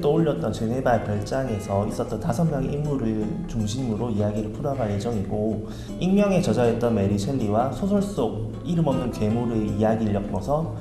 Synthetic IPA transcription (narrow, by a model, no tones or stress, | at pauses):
t͈oːʎːʌt̚t͈ʌnt͡ɕɯnɦe̞baepjʌɭt͡ɕ͈aŋe̞sʰʌis͈ʌt̚t͈ʌntasʰʌnmjʌŋeimuɾɯɭt͡ɕuŋɕʰimɯɾoijaɡiɾɯɭpʰuɾʌɡaɭje̞d͡ʑʌŋiɡo | inmjʌŋe̞t͡ɕʌd͡ʑaet̚t͈ʌnme̞ɾit͡ɕʰweɭːiwasʰosʰoɭs͈oɡ̚ | iɾɯmʌmnɯnke̞muɾɯijaɡiɭːjʌk̚p͈ʌsʰʌ